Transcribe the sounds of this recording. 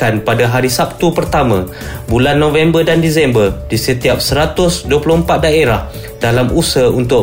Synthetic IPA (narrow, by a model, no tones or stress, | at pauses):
anpadaɦaɾisap̚t̪upərt̪amã | bulanːõvɛmbərdandisɛmbərdisət̪iap̚səɾat̪ʊsduəplɔhəmpat̪̚daeɾah | dalamusəunt̪ʊ